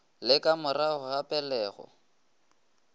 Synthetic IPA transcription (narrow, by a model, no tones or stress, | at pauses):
lɪkʼamʊrahʊhapʼɛlɛːɣɔ̰